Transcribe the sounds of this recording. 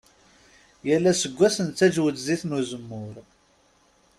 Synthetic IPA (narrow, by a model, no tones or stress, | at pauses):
jælːæsəɡʷːæsənt͡sːæd͡ʒwət͡s̪ziθnuzəmːʊɾ